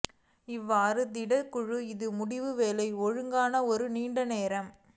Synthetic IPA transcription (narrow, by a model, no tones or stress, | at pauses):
ɪʋːaːɾɯd̪ɪɽɐkːʊɻɯɪðɯmʊɽɪʋɯʋeːlɐɪɔɻɯŋɡaːnɐɔɾɯniːɳɖɐneːɾɐm